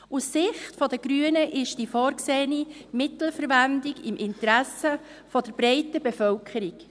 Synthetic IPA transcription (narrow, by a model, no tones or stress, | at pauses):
ussɪχtfɔdəɡɾyənəʔɪʃd̥ifɔːɾkseːnimɪtl̩fəɾʋændɪɡɪmʔɪntɾæsə | fɔd̥əɾbɾɛɪtəbefœlkʰəɾik